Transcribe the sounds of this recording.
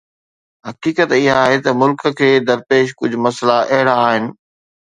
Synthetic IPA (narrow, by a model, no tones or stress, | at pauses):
ɦɐkiːkət̪ɪɦaːɦet̪ɐmʊlkə̆kʰeːd̪ɐɾpeːʃ̬kʊd͡ʑʱmɐslaʔɐɦɪɽaːɦɪnɪ̆